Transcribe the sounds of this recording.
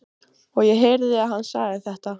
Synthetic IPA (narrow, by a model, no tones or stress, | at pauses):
ɔɣjɛɦejɾðɪaðɦanːsaːɣɪθɛht̪a